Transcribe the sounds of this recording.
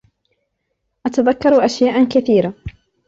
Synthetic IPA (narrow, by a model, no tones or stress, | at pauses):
ʔat̪aðakːɑɾˤʔaʃjaːʔakaθiːɾa